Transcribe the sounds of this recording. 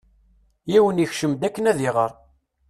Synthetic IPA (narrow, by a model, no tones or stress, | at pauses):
jiwəniçʃəmd̪ækːənæðiʁə̰ɾˤ